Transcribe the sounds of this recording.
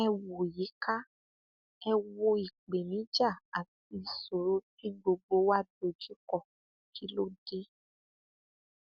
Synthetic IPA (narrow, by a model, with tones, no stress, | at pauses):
ɛ˧wo˨ji˨˦kʰa˦ | ɛ˧wo˧i˨k͡pe˨mĩ˨˦d͡ʒa˦˨a˨ti˧so˨ɾo˦ti˦ɡ͡bo˧ɡ͡bo˧˦wa˦do˧d͡ʒi˦kɔ˦˨ | ki˨˦lo˦de˦